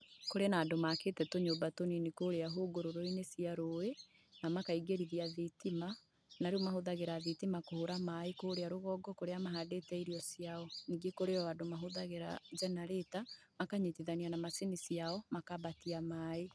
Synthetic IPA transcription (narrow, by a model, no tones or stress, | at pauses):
koɾeanaːdomaketɛtoɲobatoninikoɾeaɦoɡoɾoɾoinesiaɾowe | namakaiɡeɾiðiaðitima | naɾeɔmahoðaɣeɾaðitimakohoɾamaekoːɾeaɾoɣɔːɡɔkoɾeamaɦadetɛiɾiɔsiaɔniːɡekoɾeɔadomaɦoðaɣeɾa̰d͡ʒɛnaɾetamakaɲetiðanianamasenisiaɔmakaβatiamaːe